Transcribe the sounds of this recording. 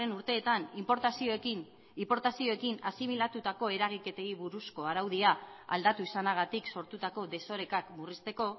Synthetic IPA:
enuɾt̪e̞ːt̪animpoɾt̪asiok | ipo̞ɾt̪asio̞ekinasimilat̪ut̪ako̞e̞ɾaɣ̞ike̞t̪e̞iβuɾusko̞aɾawðiaa̰ld̪at̪uisanaɣ̞at̪ikso̞ɾt̪ut̪ako̞ðe̞so̞ɾe̞kakmurist̪e̞ko̞

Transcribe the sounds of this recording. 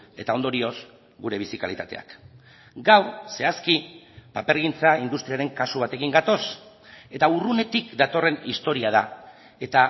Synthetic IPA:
e̞̰t̪ao̞nd̪o̞ɾio̞s | ɡuɾe̞β̞isika̰lḭt̪at̪e̞̰a̰k | ɡawse̞askipape̞ɾɣint͡saind̪ust̪ɾiaɾe̞ŋkasuβat̪e̞kiŋɡat̪o̞s | e̞t̪aurune̞t̪ikd̪at̪o̞re̞nist̪o̞ɾiað̞a | e̞t̪a

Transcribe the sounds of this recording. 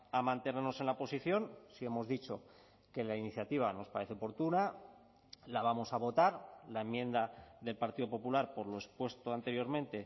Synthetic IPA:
amãnt̪e̞neɾno̞se̞nlaopo̞siθjo̞nsie̞mo̞zðit͡ʃo̞ | ke̞lainiθjat̪iβ̞ano̞spaɾe̞θeo̞po̞ɾt̪una | laβamo̞saβ̞o̞t̪aɾlaemjẽ̞nd̪aðe̞lpaɾt̪iðo̞po̞pulaɾpo̞ɾloe̞spwe̞st̪oant̪e̞ɾjo̞ɾmẽnt̪e̞

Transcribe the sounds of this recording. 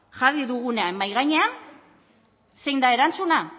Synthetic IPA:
ʝariðuɣ̞une̞ambajɣaɲe̞an | se̞jnd̪ae̞ɾant͡suna

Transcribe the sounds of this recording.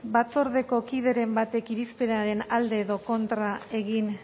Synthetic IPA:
bat͡so̞ɾðe̞ko̞kiðe̞ɾe̞mbat̪e̞kiɾispe̞ɾaɾe̞nald̪e̞ːðo̞ko̞nt̪ɾae̞ɣin

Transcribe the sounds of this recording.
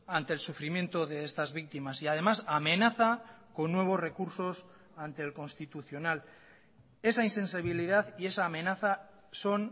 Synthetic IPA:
ant̪e̞ːlsufɾimjẽ̞nt̪o̞ðe̞est̪azβik̚t̪imasiað̞e̞masame̞naθako̞nːwe̞β̞o̞sre̞kuɾso̞s | ant̪e̞ːlko̞nst̪it̪uθjo̞nal | e̞sainse̞nsiβ̞iliðaθie̞saːme̞naθa | so̞n

